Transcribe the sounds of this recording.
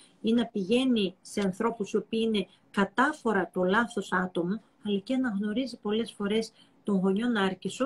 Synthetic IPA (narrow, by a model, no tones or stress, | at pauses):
inɐpiʝe̞nise̞ɐnθɾo̞pusio̞piine̞ | kɐt̪ɐfo̞ɾɐt̪olɐθo̞sɐt̪o̞mo | ɐlɐceɐnɐɣno̞ɾizipo̞le̞sfo̞ɾe̞s | t̪o̞ŋɣo̞ɲo̞nɐɾcisu